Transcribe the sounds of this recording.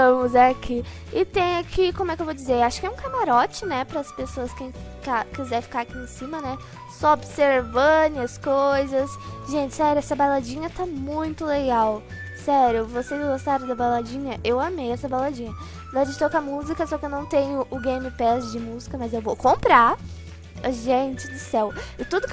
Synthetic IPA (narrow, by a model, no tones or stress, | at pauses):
t̪ɐ̃mʊzɛakʰi | ɪt̪ẽj̃akʰikõmʊɛkɪewvowd͡ʒɪzeɾaʃʊ̥kɪɛũkamaɾɔt͡ʃɪnɛpɾɐɐspesoɐskẽj̃kakizɛɾfi̥kaɾakiẽsĩmɐnɛ | sɔobseɾvɐ̃d̪ɪ̃ɐskojzɐsʒẽnt͡ʃɪ̥sɛɾjʊɛsɐbalad͡ʒĩɲɐt̪amũj̃t̪ʊleɡaw | sɛɾjʊvosezɡost̪aɾɐ̃d̪ɐbalad͡ʒĩɲɐʔewamejɛsɐbalad͡ʒĩɲɐ | d̪ãd͡ʒd͡ʒɪt̪okamuzikɐsɔkɪewnɐ̃w̃t̪ẽɲʊʔʊɡẽjmɪpɛzd͡ʒɪmuzikɐmɐzewvowkõmpɾaɾ | ɐʒẽnt͡ʃɪd̪ʊsɛwɪt̪ud̪ʊk